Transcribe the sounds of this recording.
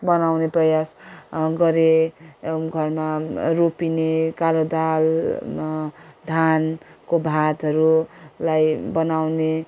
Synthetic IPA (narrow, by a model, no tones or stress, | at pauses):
bʌnawneprʌjasɡʌɾe | ɡʱʌrmaropinekalod̪al | d̪ʱankobʱat̪ɦʌɾulajbʌnawne